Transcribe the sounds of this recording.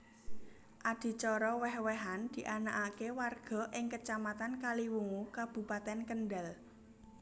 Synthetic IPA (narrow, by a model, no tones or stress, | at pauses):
ʔad̥i̤t͡ʃɔɾɔwɛhwɛɦand̪̥i̤ʔanaʔakewarɡ̥ɔ̤ʔɪŋkət͡ʃamat̪ankaliwuŋukab̥ṳpat̪ɛnkənɖal